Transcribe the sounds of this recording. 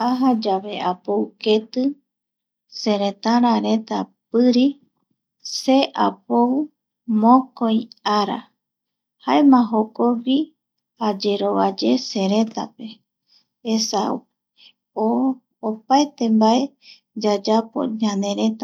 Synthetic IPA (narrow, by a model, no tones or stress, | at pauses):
aɦad͡ʒaβe̞ʔapowke̞t̪ɨ | seɾe̞t̪ãɾ̃ãɾe̞t̪apɨɾi | se̞ʔa̰pow | mõkojaɾa̰ | haemãɦokowi | ad͡ʒe̞ɾo̞βad͡ʒe̞se̞ɾe̞t̪a̰pe̞ | esa | oː | paet̪e̞mbae̞ | d͡ʒad͡ʒapo̞̰ɲãnd̪e̞ɾe̞t̪a